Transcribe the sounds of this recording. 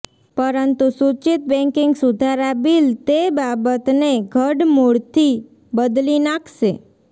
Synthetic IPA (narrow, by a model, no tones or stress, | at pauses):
pəɾənt̪usut͡ʃit̪̚bɛ̃ŋkɪŋɡsud̪ʱaɾabilt̪ebabət̪neɡʱəɖmoɭt̪ʰi | bəd̪linakʰʃe